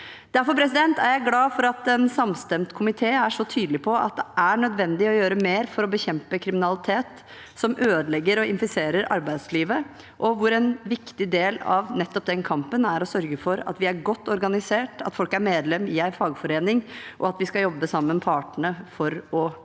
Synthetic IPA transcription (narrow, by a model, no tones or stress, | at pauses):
d̪̥æɾfɔɾpʰɾɛsɪd̪ɛnt̪æɾjæɪɡlɑːfɔɾɑt̪ɛnsɑmst̪ɛmt̪kʰʊmɪt̪ʰeːæʂɔt̪ʰyːd̪lɪpʰɔɑ̰t̪̚d̪ɛʔæɳœd̪ʋɛnd̪ɪɔjøːɾəmeːɾfɔɾɔbəçɛmpəkʰɾɪmɪnɑlɪt̪ʰeːt̪ | sɔmʔøːd̪əlɛɡːəɾɔɪnfɪseːɾəɾɑ̰ɾbæɪd̪sliːʋə | ʔɔʋʊɾɛnʋɪkt̪ɪd̪eːlɑ̰ʋnɛt̪ːɔp̚d̪ɛnkʰɑmpənæɾɔsœɾɡəfɔɾɑ̰t̪ʋɪæɾɡɔt̪ːɔɾɡɑnɪseːʈɑt̪fɔlkæɾmeːd̪lɛmːɪæɪfɑːɡfɔɾeːnɪŋʔɔ̰ɑt̪ʋɪskɑjɔbːəsɑmːənpʰɑːʈəɳəfɔɾɔ